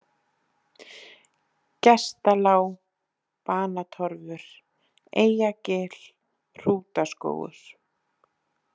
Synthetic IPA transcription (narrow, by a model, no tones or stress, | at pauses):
cɛst̪alaːw | paːnat̪ʰɔɾvʏɾ̥ | eːjacɛːl̥ | r̥uːt̪asko̰ːwɣʏ̰ɾ̥